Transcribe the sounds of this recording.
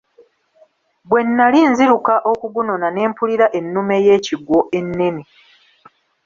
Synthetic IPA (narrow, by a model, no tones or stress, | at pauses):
bwe̞nːalinziɾukaʔo̞kuɡuno̞nane̞ːmpuliɾaʔe̞nːume̞je̞ːciɡwo̞ʔe̞nːe̞ni